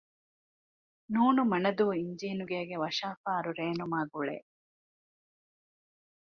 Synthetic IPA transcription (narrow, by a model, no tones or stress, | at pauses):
nuːnumɐnɐd̪uːiɲd͡ʒeːnuɡeːɡeʋɐʃaːfaːɾuɾeːnumaːɡuɭḛ